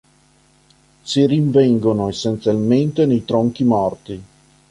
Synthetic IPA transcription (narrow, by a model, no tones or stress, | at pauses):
siriɱvɛŋɡonoesːent̪sjalment̪enejt̪ɾoŋkimɔrt̪i